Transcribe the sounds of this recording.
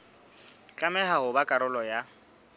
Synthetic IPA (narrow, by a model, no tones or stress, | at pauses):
t͡ɬʼamɛɦahʊbakʼaɾʊlɔja